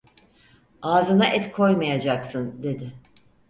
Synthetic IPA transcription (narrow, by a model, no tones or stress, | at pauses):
aːzɯnaʔɛt̪kʰo̞jmajad͡ʒaksɯnd̪e̞d̪ɪ